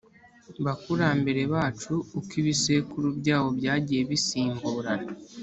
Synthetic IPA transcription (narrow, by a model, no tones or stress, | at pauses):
βakuɾambe̞ɾe̞βaːt͡ʃuːkiβise̞kuɾubɟaːwo̞bjaːɟije̞βisiːmbuːɾan